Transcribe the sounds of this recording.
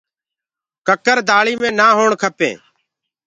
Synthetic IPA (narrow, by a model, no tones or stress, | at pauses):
kəkəɾd̪aːɭiːmẽːnaːɦoːɳkʰəpḛ̃ː